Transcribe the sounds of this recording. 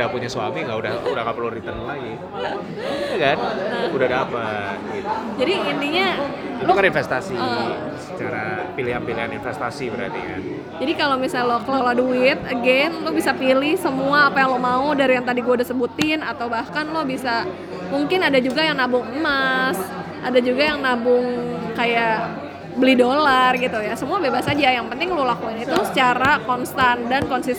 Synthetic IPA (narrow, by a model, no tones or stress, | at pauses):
dapuɲasua̰miŋɡauda̰hudahŋapəluɾit̪ənlaɡi | jakanəudahɡapat̪̚ɡit̪ud͡ʒadiind̪iɲa | lokəninfɛst̪asiə̰ | sət͡ʃaɾapiliɦanpiliɦaninfɛst̪asibəɾa̰t̪ḭka̰n | d͡ʒadikalomisalokloladuɪt̪̚əɡɛnlobisapilɪhsəmuaːpajaŋlomaudaɾijaŋt̪adiɡuadisəbut̪ɪnat̪awbahkanlobisa | muŋkɪnadad͡ʒuɡajaŋnabʊŋəmas | ʔadad͡ʒuɡajaŋnabʊŋkaja | bəlihdolarɡit̪ujasəmuabebasad͡ʒajaŋpənt̪ɪŋlolakuɪnit̪usə̥t͡ʃaɾakɔnst̪andankɔnsis